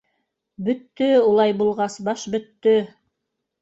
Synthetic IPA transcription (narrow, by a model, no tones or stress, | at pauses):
bɵ̆t̪ːɵulˠɑjbulˠʁɑsbɑʃbɵ̆t̪ːɵ